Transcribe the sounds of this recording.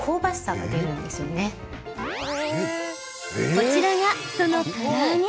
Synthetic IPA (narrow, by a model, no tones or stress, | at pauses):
kʰo̞ːbasɨ̥saɡɡa̰d̪e̞ɾɯ̟̃nd̪e̞sɨjo̞ne̞ | ko̞t͡ɕiɾaɡaso̞no̞koɲ